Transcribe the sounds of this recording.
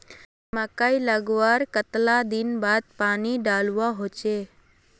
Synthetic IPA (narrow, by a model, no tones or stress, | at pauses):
makailəɡʋaɾkət̪lad̪inbad̪̚paniɖalʋaɦot͡ʃe